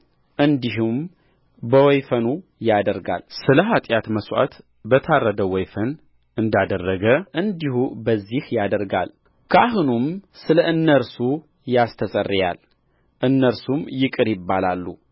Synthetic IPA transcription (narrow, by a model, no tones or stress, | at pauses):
ʔɨnd̪iɦum | bəwɔjfənujad̪əɾɡa̰lsɨləɦat̪ʼjat̪məswʔa̰t̪ | bət̪ʰarːəd̪əwɔjfən | ɨnd̪ad̪ərːəɡəʔɨnd̪ihubəzːihjad̪əɾɡa̰l | kʰəaɦunumsɨləʔɨnːəɾsu | jast̪ʰəsʼərːja̰l | ʔɨnːəɾsumjɪkʼɨɾjɪbːalalːu